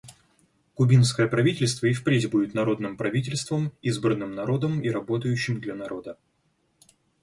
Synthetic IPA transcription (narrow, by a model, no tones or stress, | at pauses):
kʊbʲinskəjəpɾɐvʲitʲɪlʲst̪vəɪfpɾʲetʲbudʲɪt̪nɐɾo̞d̪nɨmpɾɐvʲitʲɪlʲst̪vəmizbɾənɨmnɐɾo̞d̪əmiɾɐbo̞t̪əjʉɕːɪmd̪lʲɐnɐɾʔo̞d̪ə